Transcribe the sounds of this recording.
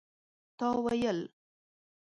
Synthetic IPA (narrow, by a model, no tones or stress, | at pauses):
t̪ɑwajəl